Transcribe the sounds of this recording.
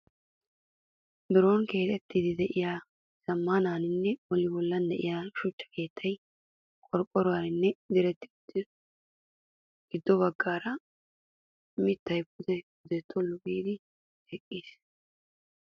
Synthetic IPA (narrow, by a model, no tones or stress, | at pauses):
bɪɾo̞ːnke̞ːt̪ɛt̪ːid̪ɪd̪ɛʔɪjaː | sɐmːanaːnɪnːɛɔlɪbɔlːɐnd̪ɛʔɪ̰jaʃʊt͡ʃːɐ̥ke̞ːt̪ʰːɐj | kʼɔɾkʼːɔɾʊwaːnɪnːɛd̪ɪɾɛt̪ːɪɡd̪ | ɡ̥ɪd̪ːɔbɐɡːaːɾɐ | mɪt̪ːɐjbʊd̪ɛbʊd̪ɛt̪ʰːɔlːʊɡiːd̪ɪ | ɛkʼːiːs